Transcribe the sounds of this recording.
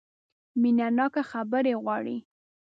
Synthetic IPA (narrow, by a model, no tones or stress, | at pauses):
minanɑkaxabəɾeɣwɑɽḭ